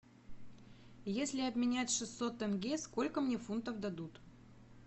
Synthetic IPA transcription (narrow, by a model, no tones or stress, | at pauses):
jesʲlʲɪɐbmʲɪnʲætʲʂɨst̪ːo̞t̪ɛnɡʲesko̞lʲkəmnʲefunt̪əvd̪ɐd̪ut̪